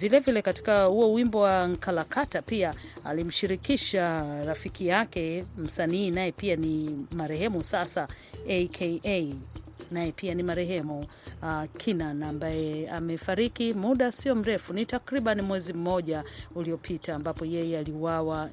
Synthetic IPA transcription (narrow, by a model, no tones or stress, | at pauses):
vilɛvilɛkati̥kahuɔwimbɔwaŋ̩kʰalakʰatapia | alim̩ʃiɾikiʃaɾafikijakɛm̩saniːnajɛpianimaɾɛɦɛmusasa | ekʰeʔe | najɛpianimaɾɛɦɛmuakʰinanambajɛamɛfaɾikimuɗasiɔm̩ɾɛfunitakɾiɓanimwɛzim̩mɔʄauliɔpʰitaːmbapɔjɛjɛaliuwawa